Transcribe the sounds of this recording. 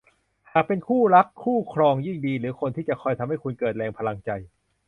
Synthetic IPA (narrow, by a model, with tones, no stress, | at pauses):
haː˨˩k̚pe˧nkʰuː˥˩ɾa˦˥kʰːuː˥˩kʰɾɔː˧ŋjiː˥˩ŋdiː˧ɾɯː˩˦kʰo˧nt̪ʰiː˥˩t͡ɕa˨˩kʰɔː˧jt̪ʰa˧mha˥˩jkʰu˧nkɤː˨˩t̪̚lɛː˧ŋpʰa˧la˧ŋt͡ɕa˧j